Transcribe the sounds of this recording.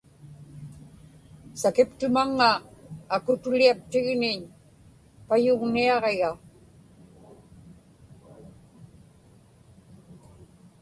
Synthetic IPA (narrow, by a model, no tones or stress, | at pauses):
sakɪpt̪ʊmaŋːaːkʊt̪ʊliap̚t̪ɪɣnɪɲ | pajʊɣniɑʁeɣa